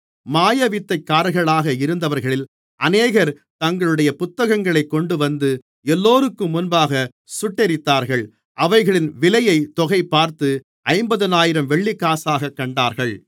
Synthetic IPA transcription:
maːjɐʋɪt̪ːɐɪkːaːɾɣɐɭaːɣɐɪɾɯnd̪ɐʋɐɾɣɐɭɪl | ʔɐneːɣɐɾ | t̪ɐŋɡɐɭɯɽɐjɐpʊt̪ːɐɣɐŋɡɐɭɐɪkːɔɳɖɯʋɐnd̪ɯ | ɛlːoːɾɯkːɯmːʊnbaːɣɐ | sʊʈːɛɾɪt̪ːaːɾɣɐɭ | ʔɐʋɐɪɣɐɭɪnʋɪlɐjɐɪt̪ɔɣɐɪpːaːɾt̪ɯ | ɐɪmbɐðɯnaːjɪɾɐmʋɛɭːɪkːaːsaːɣɐkːɐɳɖaːɾɣɐɭ

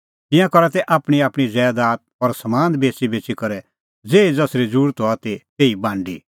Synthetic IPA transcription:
t̪ɪ̃jãkɔɾɛt̪ɛʔaːpɽ̃iaːpɽ̃id͡zɛːd̪aːt̪̚ɔɾsɐmãːnd̪beːsibeːt͡ʃikɔɾɛ | d͡zeːid͡zɐsɾid͡zuːɾt̪oat̪et̪eːibãːɳɖḭ

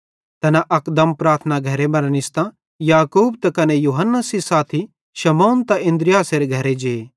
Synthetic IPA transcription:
t̪ɐnaʔɐkd̪ɐmpɾaːɾt̪ʰnaɡʱɐɾemɐɾnɪst̪ã | jaːkuːb̚t̪ɐkɐnejuːɦənːəsisaːt̪ʰi | ʃɐmoːnt̪aɪ̃nd̪ɾɪjaːseɾeɡʱɐɾed͡ʒeː

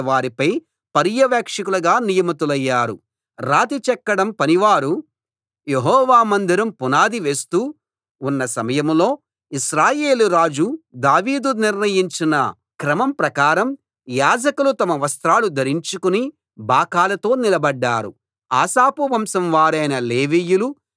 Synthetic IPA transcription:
ʋaːɾipɐj | pɐɾjɐʋjaːkʂɐkulɐɡaːnijɐmɐt̪ulɐjːaːɾu | ɾaːt̪it͡ʃɛkːɐɽɐmpɐniʋaːɾu | jeɦɔːʋaːmɐnd̪iɾɐmpunaːd̪iʋe̞ːst̪uː | unːɐsɐmɐjɐmlo̞ː | iʃɾaːje̞ːluɾaːd͡ʒud̪aːʋiːd̪uniɾnɐjiɲt͡ʃinɐ | kɾɐmɐmpɾɐkaːɾɐm | jaːd͡ʒɐkulut̪ɐmɐʋɐst̪ɾaːlud̪ɐɾiɲt͡ʃukuni | baːkaːlɐt̪o̞ːnilɐbɐɖːaːɾṵ | a̰ːsaːpuʋɐmsɐmʋaːɾɐjnɐleːʋiːjulu

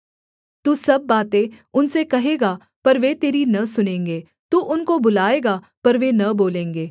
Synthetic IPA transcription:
t̪uːsɐbːaːt̪ẽʊnsekɐɦeːɡaː | pɐɾʋet̪eːɾinɐsʊnẽːŋɡeː | t̪uːʔʊnkobʊlaːeːɡa | pɐɾʋenɐboːlẽːŋɡeː

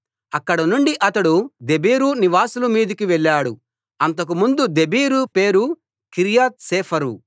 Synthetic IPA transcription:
ɐkːɐɽɐnuɳɖiʔɐt̪ɐɽud̪ebiːɾuniʋaːsulɐmiːd̪ikiʋɛɭːaːɽu | ɐnt̪ɐk̬umund̪ud̪e̞biːɾupe̞ːɾu | kiɾijaːt̪̚sɛːpʰɐɾṵ

